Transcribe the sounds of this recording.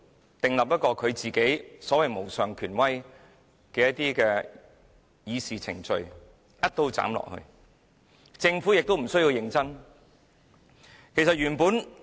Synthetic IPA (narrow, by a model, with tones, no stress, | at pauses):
t̪ɪ˨˩ŋlɐ˨p̚jt̚kɔː˧kʰɵ˨˧ɥt͡siː˨ke˨˥jsɔː˨˥wɐ˨jmo˨˩wsœː˨ŋkʰyː˨˩nwɐ˥j | kɛː˧jɐ˥t̪̚iː˥kɛː˧ | jiː˨˧siː˨t͡sʰɪ̰˨˩ŋt͡ʃɵ˧ɥ | jɐ˥t̚t̪o˧˥wt͡sa̰ː˨˥mlɔ̰˨k̚hɵ̰˧ɥ | t͡sɪ˧ŋfuː˨˥jɪ˨k̚t̪o˥wm̩˨˩sɵ˥ji˧wjɪ˧ŋt͡sɐ˥n | kʰe˨˩jsɐ˨t̚jyː˨˩npuː˨˥n